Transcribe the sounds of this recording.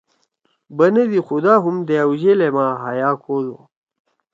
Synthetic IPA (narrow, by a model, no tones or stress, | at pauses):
bɐned̪ixud̪aːɦumd̪ejɐwʑelemaːɦajaːkʰoːlo̰